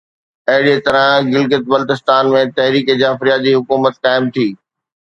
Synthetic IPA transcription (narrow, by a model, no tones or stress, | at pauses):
ɐɦɪɽet̪ɐɾə̃ɡɪlɡɪt̪̚bɐlt̪ɪst̪aːnmẽt̪ɐɦɾiːked͡ʑaːfɾijad͡ʑiːɦʊkuːmət̪kaːɪmt̪ʰiː